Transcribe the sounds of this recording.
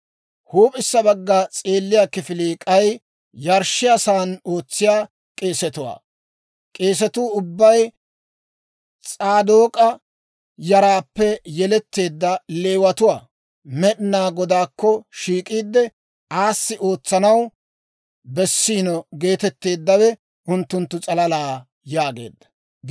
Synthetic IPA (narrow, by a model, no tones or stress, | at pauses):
huːpʼɪsːɐbɐɡːɐt͡sʼeːlːɪjakɪfɪliːkʼɐj | jɐɾʃɪjasaːno̞ːt͡sːɪjaː | kʼeːsɛt̪ʊwa̰ː | kʼe̞ːs̬ɛt̪uːʊbːɐj | t͡sʼaːd̪oːkʼɐ | jɐɾaːpːɛjɛlɛt̪ːe̞ːd̪ːɐle̞ːwɐt̪ʊwaː | mɛɗɪnaːɡɔd̪aːkːɔʃiːkʼiːd̪ːɛ | ʔaːsːɪʔo̞ːt͡sːɐnɐw | bɛsːiːnɔɡe̞ːt̪ɛt̪ːe̞ːd̪ːɐwɛ | ʔʊnt̪ːʊnt̪ːʊt͡sʼɐlɐlaː | jaːɡe̞̰ːd̪ːɐ̥